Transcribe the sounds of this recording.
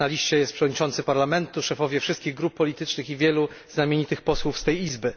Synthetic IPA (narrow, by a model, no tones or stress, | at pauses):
alʲiʂt͡ɕɛjɛst̪pʂɛvɔd̪ɲit͡ʂɔnt̪sɘpaɾlamɛnt̪uʂɛfɔvʲjɛfʂɘst̪̚kʲiɣɡɾupːɔlʲit̪ɘt͡ʂnɘxivʲjɛlu | znamʲeɲit̪ɘxpɔswufst̪ɛjizbɘ